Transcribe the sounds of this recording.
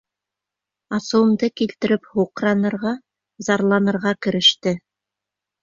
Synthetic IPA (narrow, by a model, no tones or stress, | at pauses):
ɑsɤ̆wɤ̆md̪ɤkilt̪ɘ̆ɾɘphuqɾɑnɤ̆ɾʁɑ | zɑɾlˠɑnɤ̆ɾʁɑkɘ̆ɾɘ̆ʃt̪ɘ